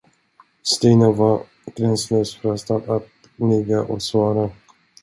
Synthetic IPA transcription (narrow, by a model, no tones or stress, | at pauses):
st̪iːnava | ɡ̥ɾɛnsløːsfœɾast̪ad̪at̪̚ | nɪɡaʔɔsvɑːɾa